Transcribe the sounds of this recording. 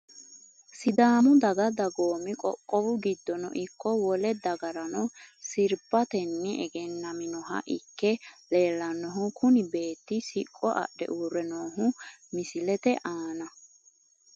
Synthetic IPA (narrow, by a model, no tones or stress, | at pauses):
sɪd̪aːmʊd̪ɐɡɐd̪ɐɡo̞ːmɪkʼɔ̰kʼːɔbʊɡɪd̪ːɔnɔ̰ʔɪkːɔwɔlɛd̪ɐɡɐɾɐnɔsɪɾbɐt̪ɛnːɪʔɛɡɛnːɐmɪnɔɦɐ̰ʔɪkːɛle̞ːlːɐnɔɦʊkʰʊnɪbe̞ːt̪ːɪsɪkʼːɔʔɐ̰ɗɛ̰ʔuːrɛnoːɦʊmɪsɪlɛt̪ɛʔaːnɐ